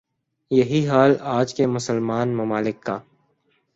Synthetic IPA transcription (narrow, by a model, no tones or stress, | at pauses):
jɐɦiɦaːlaːd͡ʒkemʊsəlmaːnmɐmaːlɪkːaː